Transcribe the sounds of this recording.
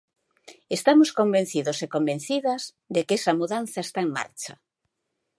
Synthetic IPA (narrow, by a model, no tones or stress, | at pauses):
est̪amoskombẽn̟θiðosekombẽn̟θiðɐz | ðekɛsamuðan̟θaest̪aeŋma̰ɾt͡ʃa